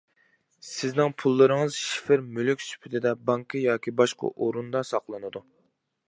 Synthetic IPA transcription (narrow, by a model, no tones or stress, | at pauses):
sɪznɪŋpʰulˠːɨɾɨŋɨzʃi̥fɪɾmylykʲsy̥pʰyt̪ʰɪd̪ɛbɑŋkʰɨjɑːkʲʰibɑʃqɑ̰ʔoɾund̪ɑsɑqlˠɨnɨd̪u